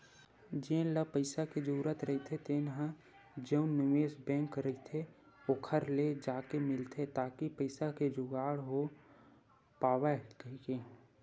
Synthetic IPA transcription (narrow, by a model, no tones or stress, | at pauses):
d͡ʒẽːləpəɪsaked͡ʒuuɾət̪ɾəɦit̪ʰet̪enɦã | d͡ʒəʊ̃nːɪʋeːsbɛ̃ːŋkɾəit̪ʰe | okʰəɾled͡ʒaːkemɪlt̪ʰet̪aːkipəɪsaked͡ʒʊɡaːɽɦo | paːwakikeː